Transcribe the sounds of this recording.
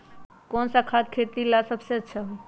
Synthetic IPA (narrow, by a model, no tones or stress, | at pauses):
kɔnsəkʰad̪kʰet̪ilasəbseətːʃʰaɦoj